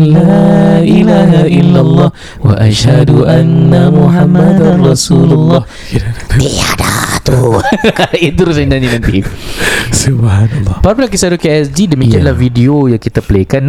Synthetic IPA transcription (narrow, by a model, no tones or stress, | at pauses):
laʔilaːɦaʔɪlːalˤːɑh | waʔaʃhaduʔanːamuħamːad̪anrɑsuːlʊlˤːɑh | diada̰t̪u | it̪uɾus̬ad͡ʒaɲinant̪i | subhanalːɑpapalak̬isadukiɛsd͡ʒidəmikianlahvidiojaŋkit̪aplekan